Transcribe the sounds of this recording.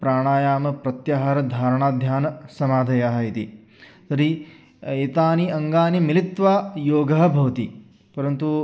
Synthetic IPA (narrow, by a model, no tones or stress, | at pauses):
pɾaːɳaːjaːmɐpɾɐt̪jaɦaːɾɐd̪ʱaːɾɐɳaːd̪ʱjaːnɐsɐmaːd̪ʱɐjaːɦɐit̪ḭ | t̪ɐɾi | eːt̪aːniɐŋɡaːnimilit̪ʋaːjoːɡɐɦɐbʱɐʋt̪i | pɐɾɐnt̪u